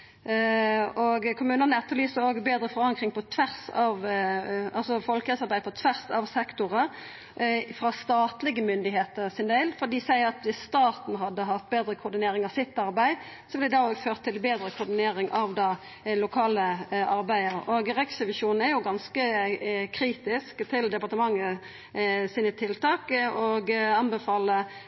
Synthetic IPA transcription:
oɡkʰʊmʉːnənəɛt̪ːəʁlyːsəoːɡbeːd̪ɾəfɔɾɑŋkɾɪŋpʰɔt̪ʰʋæʁsɑʋ | ɑlsɔfɔlkəsɑʁbæɪəpʰɔt̪ʰʋæʁsɑʋsɛkt̪ʊʁə | fʁɑst̪ɑːt̪lɪɡəmʏnd̪ɪheːt̪əʁsɪnd̪eɪlfɔʁd̪iːsæɪəʁɑt̪ʋɪsːt̪ɑːt̪n̩ɦɑd̪ːəɦɑt̪̚beːd̪ɾəkʰʊɾd̪ɪneːɾɪŋɑʋsɪt̪ːɑʁbæɪ | sɔblɛd̪ɑːoːɡføːʁt̪ʰːɪlbeːd̪ɾəkʰʊʁd̪ɪneːɾɪŋʔɑʋd̪ɑː | lʊkʰɑːləʔɑɾbæɪəɾɔɡʁɛksəʋɪʃuːnn̩æɾjʊɡɑnskəkʰɾiːt̪ɪskt̪ʰɪld̪ɛpɑʁt̪əmɑŋːə | siːnət̪ʰɪlt̪ʰɑːkɔɡɑnbəfɑːlə

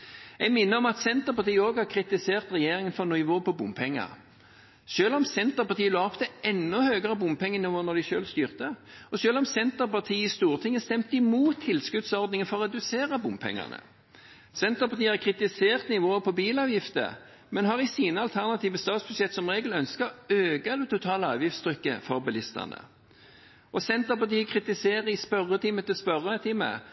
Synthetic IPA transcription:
ɛɡmɪnːəɾɔmɑt̪sɛnt̪əʁpɑʁt̪iːəoːɡhɑʁkʰʁɪt̪ɪseːʁt̪ʁɛjeːɾɪŋənfɔnʊɪʋoːpɔbʊmpʰɛŋːɑ̰ʁ | ʃøːlɔmsɛnt̪əʁpɑʁt̪ʰiːəloɔpt̪ʰɛʔɛnːɔhøːɡəʁɑbʊmpʰɛŋːənɪʋoːnɔd̪ɪʃø̰ːlst̪yːʁt̪əɔʃøːlɔmsɛnt̪əpɑt̪ʰiːɪst̪uːʁt̪ʰɪŋːəst̪ɛmt̪ɪmuːt̪ʰːɪlskʉd̪sɔʁd̪nɪŋənfɔʁɔʁɛd̪ʉseːʁəbʊmpʰɛ̰ŋːɑ̰nə̰ | sɛnt̪əʁpɑt̪iːəhæʁkʰʁɪt̪ɪseːʁt̪nɪʋoːəpʰɔbiːlɑːʋjɪft̪ə̰ | mɛnɦɑʁɪsiːnəɑlt̪ʰæʁnɑt̪iːʋəst̪ɑːt̪sb̥ʉsjɛt̪ːsɔmʁeːɡlœnskəøːɡɑld̪ɛt̪ʊt̪ʰɑːləɑːʋjɪft̪st̪ʰɾʏkːə̰fɔʁbɛlɪst̪ə̰nə̰ | ʔɔsɛnt̪əpɑt̪iːəkʰʁɪt̪ɪseːʁəɪspœʁət̪ʰɪmət̪ɪspœʁət̪ʰɪmə̰

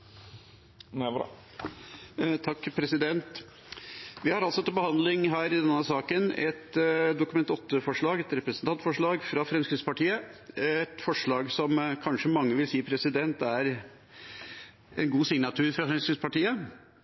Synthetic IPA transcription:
n | t̪ʰɑkːpʰɾɛsɪd̪ɛnt̪ | ʋɪhɑɾɑlsɔt̪ɪbəhɑnd̪lɪŋɦæːɾɪd̪ɛnːəsɑːkənɛt̪d̪ʊkʉmɛnt̪ɔt̪ːəfɔʂɭɑːɡɛt̪ɾɛpɾəsənt̪ɑnt̪fɔʂɭɑːɡfɾɑfɾɛmskɾɪt̪spɑʈiːəɛt̪fɔʂɭɑːɡsɔmkʰɑnʂəmɑŋːəʋɪlsiːpʰɾɛsɪd̪ɛnt̪æɾ | ɛnɡuːsɪŋnɑt̪ʰʉːɾfɾɑfɾɛmskɾɪt̪spɑʈiːə

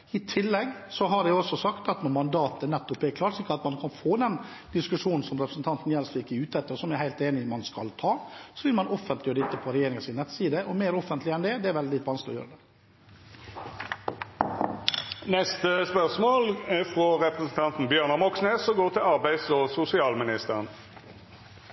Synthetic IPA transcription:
ɪt̪ʰɪlːɛɡ | sɔɦɑɖɛɔsɔsɑkt̪ɑt̪nɔɾmɑnd̪ɑːt̪ənɛt̪ːɔpːɛkʰlɑːʈsɪkːəɑt̪mɑnkʰɑnfoːd̪ɛn | d̪̥ɪskʉʂuːnn̩sɔmɾɛpɾə̥sn̩t̪ʰɑnt̪n̩jɛlsfɪkːɪʉːt̪ɛt̪ːəɾsɔmjæɪhæɪlt̪eːnɪmɑnskɑlt̪ʰɑːsɔʋɪlmɑnɔfːənt̪lɪjɔd̪ɪt̪ːəpʰɔɾɛjeːɾɪŋəsɪnɛt̪ːsiːd̪əʔɔmeɪɾɔfənt̪lɪɛnd̪ɛd̪ɛæɾʋɛlɪt̪ʋɑnsklɪɔ̰jø̰ːɾəd̪ɛ | nɛst̪əspœʁsmoːlæfʁɔʁɛpʁəsn̩t̪ʰɑnt̪n̩bjøːʁnɑmɔksneːsɔɡoːʁt̪ʰɪlɑʁbæɪsɔsʊsɪɑːlmɪnɪst̪əʁən

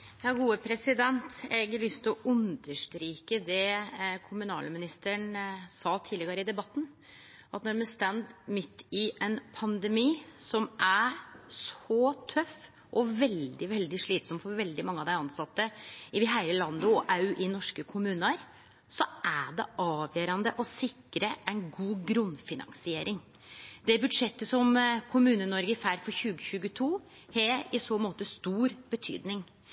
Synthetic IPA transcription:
jɑːɡuːəpʰɾɛsɪd̪ɛnt̪ɛɡəlʏst̪ɔʔʉnd̪əʂʈɾiːkəd̪ɛkʰʊmʉnɑ̰ːləmɪnɪst̪əɳsɑːt̪ʰiːlɛɡɑɾəɪd̪ɛbɑt̪ːn̩ | ʔɑt̪nɔɾmɛst̪ænd̪mɪt̪ːɪʔɛnpʰɑnd̪ɛmiːsɔmʔæʂɔt̪ʰœf | ʔɔʋɛld̪ɪʋɛld̪ɪʂɭiːt̪sɔmfɔɾʋɛld̪ɪmɑŋːəɑʋd̪æɪɑnsɑt̪ːəɪʋɪɦæɪɾəlɑnd̪ʊɔʔɑʉʔɪnɔʂkəkʰʊmʉːnəɾ | sɔæɖɛ̰ʔɑːʋjøːɾɑnd̪əʔɔsɪkːɾəʔæɪnɡuːɡɾʉnfɪnɑ̰ŋsɪeːɾɪŋ | d̪ɛbʉd̪ʂɛt̪ːəsɔmkʰʊmʉːnənɔɾɡəɪfæɾfɔɾçʉːɡəçʉːɡət̪ʰuː | hɛɪsoːmoːt̪əst̪uːɾbət̪ʰy̰ːd̪nɪŋ

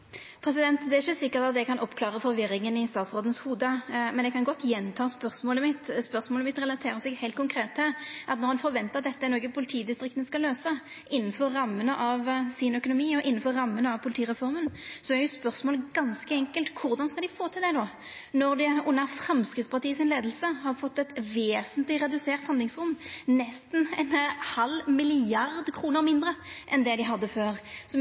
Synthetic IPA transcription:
pʰʁɛsɪd̪ɛnt̪d̪ɛɛɾɪçːəsɪkːəʁt̪ɑt̪jɛkʰɑnʔɔpːkʰlɑːʁəfɔɾʋɪɾɪŋənɪst̪ɑːt̪sʁoːd̪nəshuːd̪əmɛnd̪ɛkʰɑnɡɔt̪ːjɛnt̪ʰɑːspœʁsmoːləmɪt̪ːspœʁsmoːləmɪt̪ːʁɛlɑt̪ʰeːɾəsɛɡhæɪlt̪̚kʰʊŋkʰɾeːt̪ʰːɪlʔɑt̪nɔʁhɑnfɔɾʋɛnt̪əʁɑt̪d̪ɛt̪ːəɛnoːɡəpʰʊlɪt̪ʰiːd̪ɪst̪ʁɪkt̪nskɑløːsə | ʔɪnːənfɔɾːɑmːənəʔɑʋsɪnœkʊnʊmiːɔʔɪnːnfɔɾːɑmːənəɑʋpʰʊlt̪iːʁɛfɔʁmənsɔæɾjʊspœʁsmoːlɡɑnskəɛŋkəlt̪kʰʊɾd̪ɑnskɑld̪ɪfoːt̪ʰɪld̪ɛnoː | nɔʁd̪ɪʊnːəfɾɛmskɾɪt̪spɑʁt̪ʰiːəsɪnleːd̪əl̩səhɑɾfɔt̪ːɛt̪ʋeːsənt̪lɪɾɛd̪ʉseːʁt̪hɑnd̪lɪŋsʁʊmːnɛst̪n̩ɛnhɑlmɪlɪɑʁd̪kʰʁuːnəɾmɪnd̪ɾəʔɛnd̪ɛd̪ɪɦɑd̪ːəføːʁsɔ

